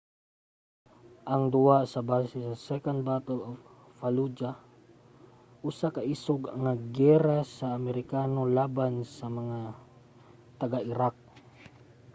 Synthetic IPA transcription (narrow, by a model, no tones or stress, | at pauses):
ʔaŋd̪uasabasisasɛkan̚bat̪of | falud͡ʒa | ʔusakaisoɡaŋaɡɛɾasaːmɛɾikanolabansamaŋa | t̪aɡaʔiɾak̚